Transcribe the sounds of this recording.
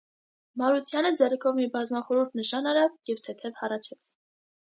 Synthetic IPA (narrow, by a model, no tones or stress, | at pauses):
mɑɾut̪ʰjɑnəd͡zɛrɛkʰɔvmibɑzmɑχɔɾuɾt̪ʰnəʃɑnɑɾɑvjɛvt̪ʰɛt̪ʰɛvhɑrɑt͡ʃʰɛt͡sʰ